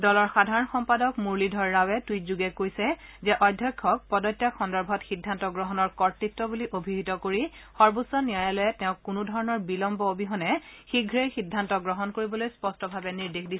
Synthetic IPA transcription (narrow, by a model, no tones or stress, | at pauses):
dɔlɔɹxadʱaɹɔnxɔmpadɔkmuɹlidʱɔɹːawɛtwitzuɡɛkojsɛzɛʔɔjdʱjɔkʰːɔk̚pɔdɔtːjaxɔndɔɹbʱɔtxidʱːantɔɡɹɔɦɔnɔɹkɔɹtɹitːɔbuliʔobʱiɦitɔkoɹi | xɔɹbusɔnijajalojɛtɛʊ̃kːunʊdʱɔɹɔnɔɹbilɔmbɔobiɦɔnɛxiɡʱɹexidʱːantɔɡɹɔɦɔnkoɹibɔlojspɔstɔbʱabɛniɹdexdisɛ